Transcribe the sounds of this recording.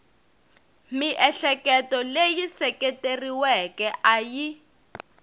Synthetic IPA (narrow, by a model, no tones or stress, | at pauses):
miʔɛɬɛkɛtɔlejisɛketeriwɛkɛʔaji